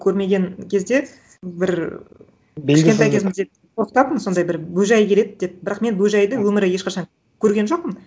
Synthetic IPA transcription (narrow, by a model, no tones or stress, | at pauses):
kʲʰɵɾme̞ɡʲenkʲʰe̞zd̪e̞ | bɪɾ | ɪɪʃʲet̪ɑjkʲʰe̞zɪmɪzd̪ep | t̪ʰo̞qt̪ɑpmənso̞nd̪ɑjbɪɾbɵʒɑjkʲe̞le̞d̪̚ɪd̪e̞p̚bɪɾɑqme̞nbɵʒɑjd̪əwɵmɪɾɪje̞ʃqɑʃɑŋ | kʲʰɵɾɡʲe̞nʒo̞q̚pən